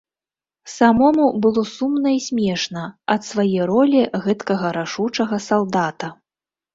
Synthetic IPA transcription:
samɔmubɨlˠɔsumnɐisʲmʲɛʂnɐɐt̪svajɛjɾɔlʲiɣɛt̪kɐɣɐɾaʂut͡ʂɐɣɐsalˠd̪at̪ɐ

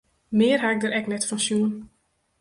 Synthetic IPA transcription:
mɪːrɦaɪk̚dəɾɛknɛtfɑnsjuən

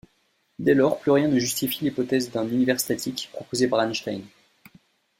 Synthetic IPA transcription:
d̪ɛlɔʁplyʁjɛ̃nəʒyst̪ifilipɔt̪ɛzd̪ɛ̃nynivɛʁst̪at̪ʰikpχɔpozepaʁanʃt̪ajn

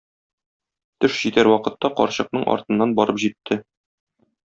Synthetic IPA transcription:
t̪ɘʃʑ̥it̪æɾwɒqɤ̆t̪ːɑqɒ̰ɾɕɤ̆q̚nɤɴʔɒ̰ɾt̪ɤ̆nːɑnbɒɾɤpʑit̪ʰːɘ

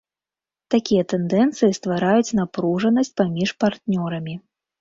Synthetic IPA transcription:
t̪akʲijɛt̪ɛnd̪ɛnt̪sɨjist̪vaɾajut͡sʲnapɾuʐɐnɐsʲt͡s̚ʲpamʲiʂpart̪nʲɔɾɐmʲi

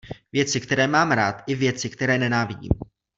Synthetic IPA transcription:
vjɛt͡sɪkt̪ɛɾɛːmaːmɾaːt̪ʔɪvjɛt͡sɪkt̪ɛɾɛːnɛnaːvɪɟḭːm

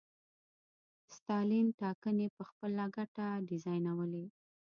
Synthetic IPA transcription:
st̪ɑlimʈɑkənepəxpəlaɡaʈaɖɪzɑjnawəle

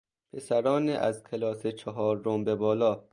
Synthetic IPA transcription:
pʰesæɾɒːneʔæzkʲʰelɒːset͡ʃʰɒɦɒːɾːombebɒːlɒː

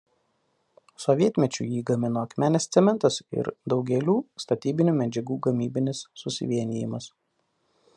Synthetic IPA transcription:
sɔʋʲiɛt̪ʲmʲɛt͡ʃʲṵjiːɡɐmʲɪnoːɐkmʲæːnʲest̪sʲɛmʲɛnt̪ɐsɪ̰ɾd̪ɒʊɡʲɛlʲuːst̪ɐt̪ʲiːbʲɪnʲuːmʲɛd͡ʒʲɛɡuːɡɐmʲiːbʲɪnʲɪsːʊsʲɪ̰ʋʲiɛnʲɪːjɪmɐs

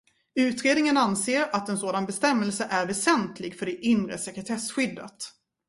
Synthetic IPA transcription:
ʉ̟ːt̪ɾeːd̪nɪŋənanseːɾat̪ɛnsoːd̪anbɛst̪ɛmːɛlsəʔæɾvɛsɛnt̪ʰlɪɡfœɖɛʔɪnɾə̰sɛkɾɛt̪ʰɛsɧʏd̪ːə̰t̪

